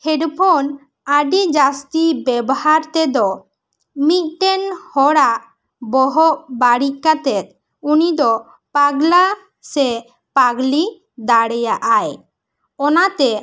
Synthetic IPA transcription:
hɛɖpʰɔn | aɖid͡ʒast̪ibɛbɔhaɾt̪ɛd̪ɔ | mit̪̚ʈɛnhɔɽaʔ | bɔɦɔʔbaɽikat̪ɛt̪̚ | unid̪ɔ | paɡla | sɛ | paɡli | d̪aɽɛjaʔaj | ɔnat̪ɛ

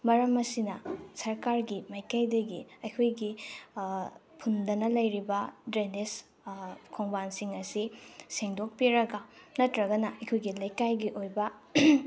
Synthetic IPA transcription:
mɐɾɐmɐsinɐsɐɾkaɾɡimɐjkajdɐɡiɐjkʰojɡi | pʰundɐnɐlɐjɾibɐdɾenes | kʰoŋbansiŋɐsiseŋdok̚piɾɐɡɐnɐtɾɐɡɐnɐʔɐjkʰojɡilɐjkajɡiʔojbɐ

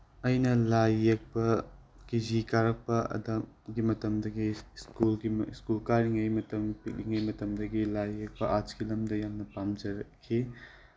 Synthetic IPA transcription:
ɐjnɐlajːek̚pɐkizikaɾɐk̚pɐɐ̰dɐm | ɡimɐtɐmdɐɡiskulɡiskulkaɾiŋɐjmɐtɐmpik̚liŋɐjmɐtɐmdɐɡilajːek̚pɐʔat͡ʃɡilɐmdɐjamnɐpamd͡ʒɐɾɐkʰːi

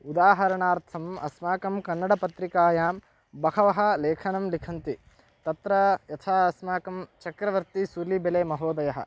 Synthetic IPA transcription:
ud̪aːɦɐɾɐɳaːɾt̪ʰɐmɐ̰smaːkɐmkɐnːɐɽɐpɐt̪ɾikaːjaːm | bɐkʰɐʋɐɦɐ̆leːkʰɐnɐmlikʰɐnt̪i | t̪ɐt̪ɾɐjɐt̪ʰaːɐsmaːkɐmt͡ʃɐkɾɐʋɐɾt̪isuɾlibeleːmɐɦoːd̪ɐjɐɦɐ̰

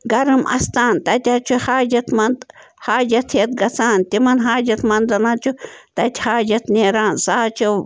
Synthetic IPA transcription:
ɡɐɾɨmɐ̰st̪aːnt̪ɐt̪ʲaːt͡ʃʰuhaːd͡ʒɐt̪mɐnd̪ | haːd͡ʒɐt̪ʰhet̪̚ɡɐt͡saːnt̪ʲimɐnɦaːd͡ʒɐt̪mɐnd̪ɐnat͡ʃut̪ɐt̪ʲhaːd͡ʒɐt̪neːɾaːnsaːt͡ʃʰu

